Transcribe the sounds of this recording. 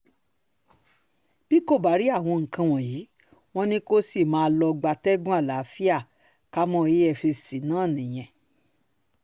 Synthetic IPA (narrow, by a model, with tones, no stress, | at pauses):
b̥i˦ko˦˨ba˨˦ɾi˨˦a˦˨w̃ɔ̃˧ŋ̩˨kã˧w̃ɔ̃˨jiː˨˦ | w̃ɔ̃˦nĩ˦ko˦si˦˨mãː˨˦˧lɔ˧ɡ͡ba˧tɛ˦ɡũ˦a˦˨la˨˦fi˦a˦˨ | ka˦mɔ̃˦˨e˦ɛ˦˨fi˧si˨nãː˨˦˨nĩ˨j̃ɛ̃˨